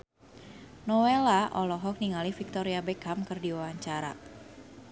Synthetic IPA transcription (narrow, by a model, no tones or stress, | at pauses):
nɔwelaʔɔlɔɦɔk̚niŋalifik̚t̪ɔɾiabekamkɨrdiwawaɲt͡ʃaɾa̰